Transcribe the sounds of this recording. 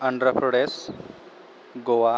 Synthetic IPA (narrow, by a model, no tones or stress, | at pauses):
əɳɖɾəpʰɾɽes | ɡoʋa